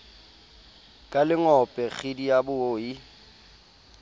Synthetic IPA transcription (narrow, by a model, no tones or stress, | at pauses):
kʼalɪŋɔpʼɛk͡xʰidijabʊoːji